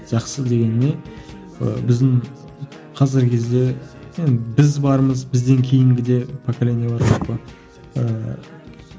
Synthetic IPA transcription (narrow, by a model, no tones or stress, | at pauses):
ʒ̥ɑqsəd̪e̞ɡʲe̞nɪme̞ | ə̰bɪzd̪ɪɴ | qʰɑzɪɾkʲʰe̞zd̪e̞nbɪzbɑɾməzbɪzd̪e̞ŋkʲʰejɪŋɡʲɪd̪e̞pʰokalʲe̞nijabɑɾʒoq̚pːə | ə